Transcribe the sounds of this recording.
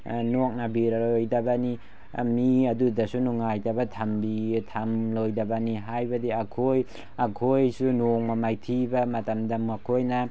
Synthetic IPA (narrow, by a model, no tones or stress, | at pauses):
nok̚nabiɾaɾojdɐbani | miɐdudɐsunuŋajtabɐtʰambitʰamlojdɐbɐniɦajbɐdiakʰoj | ɐkʰojsunoŋmamajtʰibɐmɐtɐmdɐmakʰojnɐ